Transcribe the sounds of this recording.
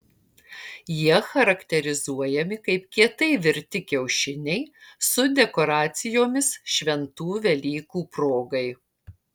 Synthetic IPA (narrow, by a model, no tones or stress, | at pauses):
jiɛxɐɾɐkt̪ʲɛɾʲɪzuɔjɛmʲɪkɐɪpkʲiɛt̪ɐɪʋʲɪɾʲt̪ʲɪkʲɛʊʃʲɪnʲɛɪsʊd̪ʲɛkɔɾɑːt̪sʲɪjoːmʲɪsʃʲʋʲɛnt̪uːʋʲɛlʲiːkuːpɾoːɡɐɪ